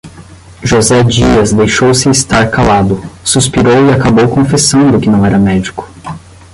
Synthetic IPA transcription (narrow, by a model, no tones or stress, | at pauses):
ʒozɛd͡ʒiɐzd̪ejʃowsɪːst̪aɾkalad̪ʊsuspiɾowiakabowkõfesɐ̃nd̪ʊkɪnɐ̃w̃ɛɾɐmɛd͡ʒikʊ̥